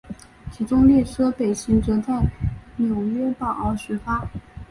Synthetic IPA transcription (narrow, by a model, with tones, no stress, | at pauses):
t͡ɕʰi˧˥ʈ͡ʂʊ˥ŋljɛ˥˩ʈ͡ʂʰɤ˥pe˨˩ɪɕi˧˥ŋʈ͡ʂɤ˧˥t͡sa˥˩ɪnjo˨˩ʊɥɛ˥pɑ˨˩ʊɑ˧˥ɕ̩˧˥fa˥